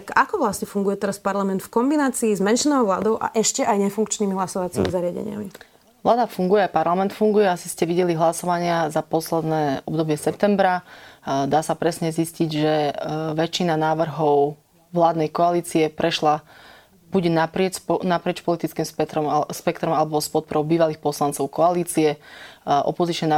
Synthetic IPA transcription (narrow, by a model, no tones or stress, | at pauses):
akakɔʋlasɲɛfuŋɡujɛt̪ɛɾaspaɾlamɛnt̪fkɔmbinaːt͡siːzmɛnʃinɔʊʋla̰ːd̪ɔʊʔa̰ʔɛʃcɛʔajɲɛfuŋkt͡ʃniːmiɦlasɔʋat͡simḭzaɾɪaɟɛ̰ɲɪ̰a̰mi | ʋlaːd̪afuŋɡujɛapaɾlamɛnt̪fuŋɡujɛasi̥scɛʋiɟɛliɦlasɔʋaɲɪazapɔslɛd̪nɛːɔbd̪ɔbɪɛsɛp̚t̪ɛmbɾa | d̪aːsapɾɛsɲɛzisciɟʒɛʋɛt͡ʃːinanaːʋr̩ɦɔʊ | ʋlaːd̪nɛjkɔaliːt͡siɛpɾɛʃla | b̥uɟɛnapɾɪɛnapɾɪɛt͡ʃpɔlit̪it͡skiːmspɛt̪ɾɔmspɛkt̪ɾɔmalɛbɔspɔt̪̚pɔɾɔʊbiːʋaliːxpɔslant͡sɔʊkɔaliːt͡siɛ | ʔɔ̰pɔzit͡ʃɲɛna